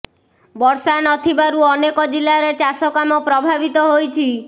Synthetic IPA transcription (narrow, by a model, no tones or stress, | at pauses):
bɔɾsanɔt̪ʰibaɾuɔnekɔd͡ʒilːaɾet͡ʃasɔkamɔpɾɔbʱabit̪ɔɦojt͡ʃʰi